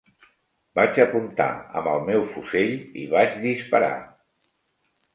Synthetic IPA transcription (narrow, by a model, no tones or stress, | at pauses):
bad͡ʒəpunt̪a̰ə̰mbəlˠmɛwfuseʎḭβat͡ʃðispəɾa̰